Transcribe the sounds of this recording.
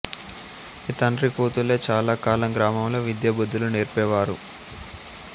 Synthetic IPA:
it̪ɐnɾikuːt̪uleːt͡ʃaːlaːkaːlɐŋɡɾaːmɐmlo̞ːʋid̪jɐbud̪ːuluneːɾpɛːʋaːɾṵ

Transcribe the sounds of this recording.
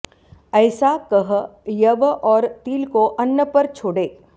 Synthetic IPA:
ɛːsakɐɦjɐʋɔːɾt̪iːlkoʔɐnːəpɐɾt͡ʃʰoːɽeː

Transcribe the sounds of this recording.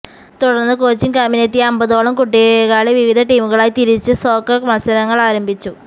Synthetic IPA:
t̪uɽɐrnːɨkoːt͡ɕːimkɐminɐt̪ːiɐmbɐðoːɭɐmkuʈːieɣaːɭeʋiʋid̪ʱɐʈiːmuɣɐɭaːjit̪iɾit͡ɕːɨso̞ːkːɐkmɐɐsɐɾɐŋːɐɭaːɾɐmbʱit͡ɕːu

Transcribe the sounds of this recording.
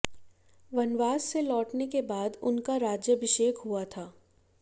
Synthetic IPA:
ʋɐnʋaːsːelɔːʈnekebaːd̪ʊnkaɾaːd͡ʒjəʋɪʃeːkɦuat̪ʰaː

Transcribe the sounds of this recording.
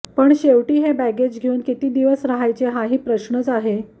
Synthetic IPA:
pəɳɕeʋʈiːɦebæɡed͡ʑɡʱeuːnkit̪iːd̪iʋəsɾaɦajt͡seɦaɦiːpɾəɕnət͡saɦe

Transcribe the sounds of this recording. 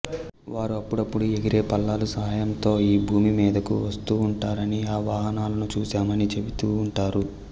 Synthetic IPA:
ʋaːɾuɐpːuɽɐpːuɽueɡiɾe̞ːpɐlːaːlusɐɦaːjɐnt̪o̞ːiːbʱuːmimiːd̪ɐkuʋɐst̪uːɳʈaːɾɐniaːʋaːɦɐnaːlɐnut͡ʃuːsaːmɐnit͡ʃe̞bit̪uːɳʈaːɾu

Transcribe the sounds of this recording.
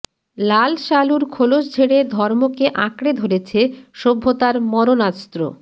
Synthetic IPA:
lalʃaluɾkʰolod͡ʑd͡ʑʱeɽed̪ʱɔɾmokeʔãkɽed̪ʱoɾet͡ɕʰeʃobʱːot̪aɾmɔɾonast̪ɾo̰

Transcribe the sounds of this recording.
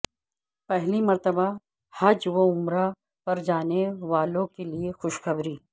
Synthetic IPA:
pɛɦlimɐɾt̪əba | had͡ʒʋoʊmɾa | pɐɾd͡ʒaːneʋaːlõkeliexʊʃxɐbɾiː

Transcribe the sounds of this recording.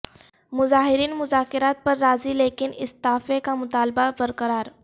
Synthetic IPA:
mʊzaːɦɪɾiːnmʊzaːkɪɾaːt̪̚pɐɾːaːzileːkɪnɪst̪aːfekamʊt̪aːlbabɐɾkəɾaːɾ

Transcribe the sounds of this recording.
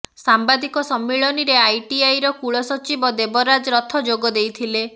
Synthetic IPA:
sambad̪ikɔsɔmːiɭɔniɾeajʈiajɾɔkuɭɔsɔt͡ʃibɔd̪ebɔɾad͡ʒɔɾɔt̪ʰɔd͡ʒoɡɔd̪ejt̪ʰile

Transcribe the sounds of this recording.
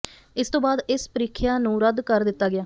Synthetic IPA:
ɪst̪õːbaːd̪ɪspəɾiːkʰjaːnũːɾəd̪kəɾd̪ɪt̪ːaːɡɪjaː

